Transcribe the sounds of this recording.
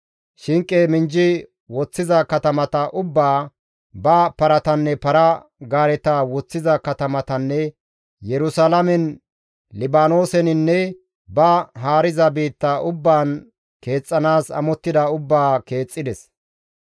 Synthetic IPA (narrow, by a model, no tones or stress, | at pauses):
ʃɪŋkʼːeːmɪnd͡ʒɪ | wɔt͡sːɪzɐkɐt̪ɐmɐt̪ɐʔʊbːaː | bɐpɐɾɐt̪ɐnːɛpɐɾɐ | ɡaːɾɛt̪awɔt͡sːɪzɐkɐt̪ɐmɐt̪ɐnːɛ | jɛɾʊsalɐmɛn | lɪbaːno̞ːsɛnɪnːɛ | bɐɦaːɾɪzɐbiːt̪ːɐʔʊbːaːn | ke̞ːt͡sʼːɐnaːsɐ̰mɔt̪ːɪd̪ɐʊbːaːke̞ːt͡sʼːɪd̪ɛs